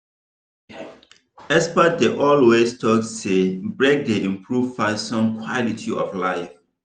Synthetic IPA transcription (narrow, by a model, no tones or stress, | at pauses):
ɛspət̚deʔɔlwestʰɔksːebɹek̚deĩmpʰɹuvfasɔ̃nkʰwɔlitʰiɔ̰flaɪf